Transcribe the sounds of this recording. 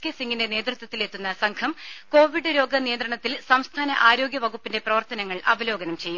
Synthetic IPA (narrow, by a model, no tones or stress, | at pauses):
kːesiŋɡinde̞ne̞ːd̪rut̪wɐt̪ːile̞t̪ːunːɐsɐŋkʰɐmko̞ːʋiɖɨɾo̞ːɡɐnijɐnd̪ɾɐɳɐt̪ːilsɐmst̪ʰaːnɐʔaːɾo̞ːɡjɐʋɐɡupːinde̞prɐʋɐrt̪ɐnɐŋːɐɭʔɐ̰ʋɐlo̞ːɡɐnɐmt͡ɕe̞jːum